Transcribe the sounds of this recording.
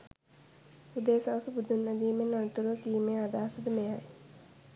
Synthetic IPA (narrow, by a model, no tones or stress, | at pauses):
ʊd̪eːsaːsbʊd̪ʱunːəd̪iːmẽnɐnt̪uɾot̪iːmẽaːd̪aːsəd̪mẽae